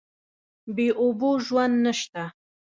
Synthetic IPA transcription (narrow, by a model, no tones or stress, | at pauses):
beʔʊbuʒwand̪nəʃt̪a